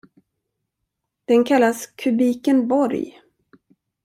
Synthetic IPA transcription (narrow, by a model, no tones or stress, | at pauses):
d̪̥ɛnkʰalːaskʰɵbiːkənbɔɾj